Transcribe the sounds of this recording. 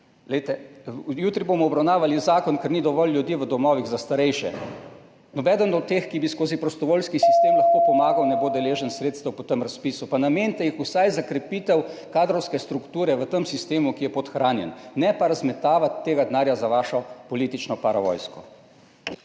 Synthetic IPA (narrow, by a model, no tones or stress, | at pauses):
ɡlɛjt̪ɛjuːt̪ɾibomɔɔbɾawnaːʋalizaːkɔnkɛɾnid̪ɔʋɔlːjud̪iʋəd̪ɔmɔːʋiɣzast̪aɾɛjʃɛ̰ | nɔbɛːd̪ənɔt̪eːxkibiskoːzipɾɔst̪ɔʋoːlskisist̪eːmlaxkoːpɔmaːɡawnɛboːd̪ɛleːʒənsɾeːt̪st̪ɐwpɔt̪əmɾaspiːsupanameːnʲt̪ɛixusajzakɾɛpiːt̪ɛwkaːd̪ɾɔwskɛst̪ɾukt̪uːɾɛʋət̪əmsist̪eːmukijɛpɔt̪xɾaːnjɛ̰nːɛpaɾazmɛt̪aːʋat̪ːeːɡad̪naːɾjazaʋaːʃɔpɔliːt̪it͡ʃnɔpaɾaʋɔ̰ːjskɔ̰